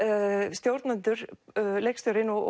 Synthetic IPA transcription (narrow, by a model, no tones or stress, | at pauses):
st̪jowɾt̪nant̪ʏɾ̥lekst̪jowɾɪnːɔ̰